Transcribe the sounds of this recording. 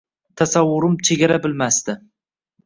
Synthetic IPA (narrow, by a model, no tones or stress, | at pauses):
t̪ʰasawːʊɾɪmt͡ʃʰeɡʲaɾabɪlmast̪ɪ